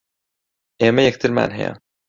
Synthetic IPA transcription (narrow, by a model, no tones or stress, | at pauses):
ʔeːmɐjɛk̚t̪ʰɨɾma̰ːnɦɛ̰jɐ̰